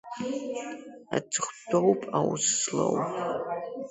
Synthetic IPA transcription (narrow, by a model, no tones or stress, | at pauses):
a̰t͡sʰɨχʷdʰowpʰʼawsslɐwpʰʼ